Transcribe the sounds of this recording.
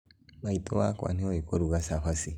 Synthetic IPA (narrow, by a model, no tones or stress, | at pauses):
maitɔwakwa̰nioikoɾuɡasaɸasi